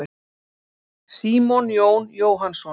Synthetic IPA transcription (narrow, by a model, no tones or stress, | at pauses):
ɪ | siːmɔnjoːwnjoːwɦansɔ